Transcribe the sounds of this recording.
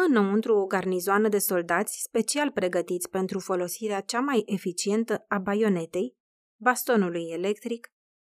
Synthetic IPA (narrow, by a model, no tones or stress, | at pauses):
ɨnoɨnt̪ɾuoɡarnizoanəd̪e̞so̞ld̪at̪sʲspe̞t͡ʃialpɾe̞ɡət̪it̪sʲpe̞nt̪ɾufo̞lo̞siɾeat͡ʃamajʔe̞fit͡ʃie̞nt̪əabajo̞ne̞t̪e̞j | bast̪o̞nuluje̞le̞kt̪ɾik